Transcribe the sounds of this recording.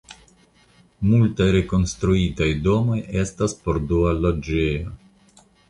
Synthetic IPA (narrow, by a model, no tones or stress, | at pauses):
multajɾe̞ko̞nstɾuitajdo̞mo̞je̞staspo̞ɾdualod͡ʒejo